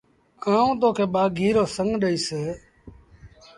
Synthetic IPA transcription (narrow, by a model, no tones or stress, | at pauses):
aːũːt̪oːkʰeːɓaːɡʱiːɾoːsəŋɡɗəiːseː